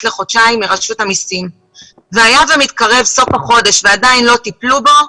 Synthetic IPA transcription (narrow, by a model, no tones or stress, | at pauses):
tle̞χo̞tʃaimeʁaʃuthamisim | veajavemitkaʁe̞vso̞faχo̞de̞ʃveadainlo̞t̪iplubo̞